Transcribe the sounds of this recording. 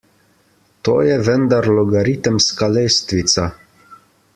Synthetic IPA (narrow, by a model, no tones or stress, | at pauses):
t̪o̰ːjɛʋənd̪aɾlɔɡaɾit̪əmskalejst̪ʋit̪sa